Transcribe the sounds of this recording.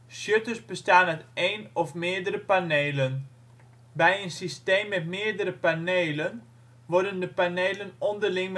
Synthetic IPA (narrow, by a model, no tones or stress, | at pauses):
sjøtəsbəstaːnɛteːnɔfmɪːdəɾəpaneːlən | bɛjənsisteːmːɛtmɪːdəɾəpaneːlən | ʋɔɹdəndəpanejlənɔndərlɪŋm